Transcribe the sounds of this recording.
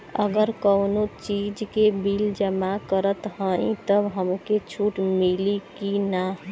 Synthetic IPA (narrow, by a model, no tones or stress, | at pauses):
əɡəɾkəwnot͡ʃid͡ʒkebild͡ʒəmakəɾət̪ɦə̃ĩt̪əbɦəmket͡ʃʰuʈmilikinaɦ